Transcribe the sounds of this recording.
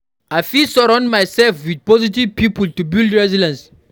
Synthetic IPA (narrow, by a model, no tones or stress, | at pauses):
ajfisɔɹãndmajsɛlfwid̚pɔzitivpipultubildɹɛzidãns